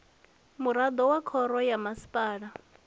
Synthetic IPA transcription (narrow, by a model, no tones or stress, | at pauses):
muɾad̪ɔwakʰɔɾɔjamasi̥pʼaːɺa